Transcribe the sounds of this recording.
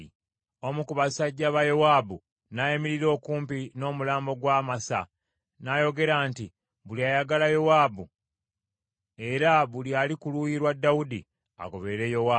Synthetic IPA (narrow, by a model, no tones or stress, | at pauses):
o̞mukuβasaɟːaβajowaːbu | najemiɾiɾo̞ːkuːmpino̞ːmulaːmbo̞ɡwaːmasa̰ | najo̞ɡe̞ɾaːnti | βuliajaɡalajo̞waːbu | e̞ɾaβulialikulujiɾwadːawudi | a̰ko̞βe̞ɾe̞jo̞wa